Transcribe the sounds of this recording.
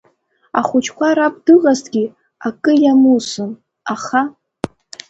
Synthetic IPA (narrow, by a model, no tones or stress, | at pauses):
a̰χʷʊt͡ʃʰkʷʰaɾapʼdɨʁaztʰʼɡʲi | akʼɨjamusɨm | aχa